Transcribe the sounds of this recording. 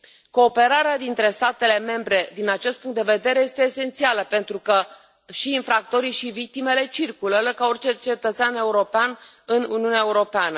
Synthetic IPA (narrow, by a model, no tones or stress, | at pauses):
ko̞ːpe̞ɾaɾead̪int̪ɾe̞st̪at̪e̞le̞me̞mbɾe̞d̪inat͡ʃe̞st̪̚puŋkt̪d̪e̞ve̞d̪e̞ɾe̞je̞st̪e̞ːse̞nt̪sialəpe̞nt̪ɾukə | ʃiːnfɾak̚t̪o̞ɾiʃivik̚t̪ime̞le̞t͡ʃirkulələkao̞rʲt͡ʃe̞t͡ʃe̞t̪ət̪sʲane̞uɾo̞pean | ɨnuniuneaeuɾo̞peanə